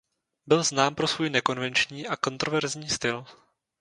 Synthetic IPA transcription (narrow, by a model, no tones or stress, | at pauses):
bɪlznaːmpɾo̞svuːjnɛko̞nvɛnt͡ʃɲiːʔako̞nt̪ɾo̞vɛɾzɲiːst̪ɪl